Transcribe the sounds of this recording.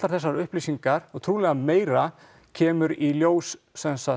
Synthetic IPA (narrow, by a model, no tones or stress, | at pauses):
t̪laɾθɛsːaɾʏhplisiŋkaɾɔɣt̪ʰɾuːlɛɣameːjɾa | cʰɛːmʏɾiljoːwsːɛnsa